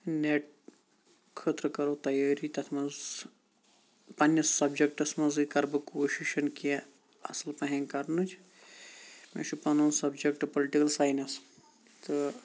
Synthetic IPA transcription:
neʈ̚ | kʰəːt̪ɾəkɐɾot̪ɐjaːɾit̪ɐt̪ʰmɐz | pɐnjɐsːɐbd͡ʒek̚ʈɐsmɐzɨkɐɾbɐkoːʃiʃɐnkie | ɐ̰sɐlpɐɦẽnkɐɾnɨt͡ʃʰ | mḛʃʰupɐnɐ̃nsɐbd͡ʒek̚ʈɨpoliʈikɐlsaːjnɐs | t̪ɨ

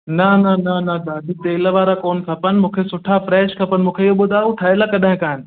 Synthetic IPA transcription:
nɐnɐnɐnɐd̪aːdɪt̪eːlʋaːɾakoːnkʰɐpənmũːkʰesʊʈʰafɾɛːʃkʰɐpənɪmũːkʰeiɦoɓʊd̪ʱaːuʈʰaːɪlakɐɗaɦɪ̃kaːɪnɪ̆

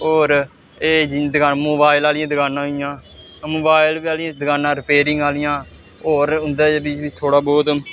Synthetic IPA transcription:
oːɾ | eːd͡ʒd̪əɡaːmoːbaːɪlaːlɪjãːd̪əɡaːnãːɦɪjãː | moːbaːɪlʋiːaːlɪjãːd̪əɡaːnãːɾɪpeːɾɪŋɡaːlɪjãː | oːɾʊnd̪aːbiːt͡ʃbiːt̪ʰoːɽaːbɔːt̪

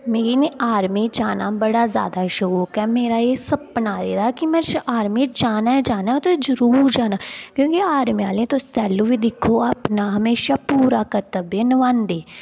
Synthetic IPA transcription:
meːiːneʔaːɾmiːd͡ʒaːna̰ːbəɽaːzja̰ːd̪aːʃʊɾuːkɛːmeːɾaːeːsəbpənaːɾḛːd̪aːkimɛʃaːɾmiːd͡ʒaːnaːd͡ʒaːnaːt̪ozəɾuːɾd͡ʒaːnaːkjõːkiaːɾmiaːlẽːt̪ot̪ɛːluːʋiːd̪ɪkʰːoːapnaːɦəmeːʃaːpuːɾaːkəɾt̪əbeːnəʋãːnd̪eː

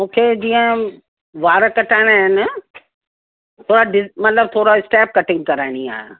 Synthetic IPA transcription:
mũːkʰed͡ʑiːə̃ | ʋaːɾkɐʈʰaːɪɽ̃aːɦɪnɪ | t̪ʰoːɾaɖɪmɐt̪ləb̚t̪ʰoːɾaɪsʈɛːp̚kɐʈɪ̃ŋɡ̚kɐɾaːɪɽ̃ia̰ːɦe

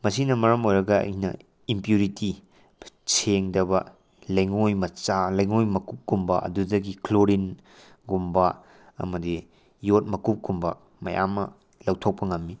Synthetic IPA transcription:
mɐsinɐmɐɾɐmojɾɐɡɐɐ̰jnɐ̰ | impjuɾiti | t͡ʃʰeŋdɐbɐ | lɐjŋojmɐt͡ʃalɐjŋojmɐkup̚ɡumbɐ̰ʔɐ̰dudɐɡikloɾin | ɡumbɐ | ɐ̰mɐdi | jot̚mɐkup̚ɡumbɐ̰ | mɐja̰mːɐ | lɐwtʰok̚pɐŋɐmːi

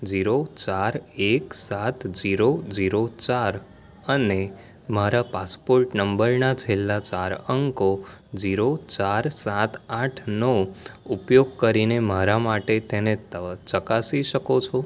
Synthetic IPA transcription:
d͡ʒiɾot͡ʃaɾeksat̪ʰd͡ʒiɾod͡ʒiɾot͡ʃaɾ | əne | maɾapaspoɾʈnəmbəɾnat͡ʃʰelːat͡ʃaɾəŋkod͡ʒiɾot͡ʃaɾsat̪ʰãʈʰnoupjoɡ̚kəɾinemaɾamaʈet̪enet̪ət͡ʃəkasiʃəkot͡ʃʰo

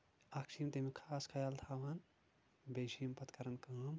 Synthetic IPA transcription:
akʃimt̪emekʰaːskʰɐjalt̪ʰaːʋɐn | bed͡ʒimpɐt̪kɐɾɐnkaːm

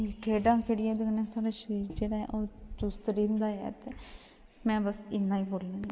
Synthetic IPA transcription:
kʰeːɖãːkʰeɽɪjãːd̪kənɛ̃ːsaːɽeʃɾiːɾd͡ʒeːɽaːɛ̰ʔoːt͡ʃʊst̪ɾiːnd̪aːɛ̰ːt̪eː | mɛ̃ːbəsɪnːãːiːboːlːãːi

